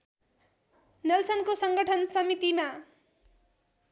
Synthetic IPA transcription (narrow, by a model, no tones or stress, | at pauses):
nʌlsʰʌnkosʌŋɡʌʈʰʌnsʌmit̪ima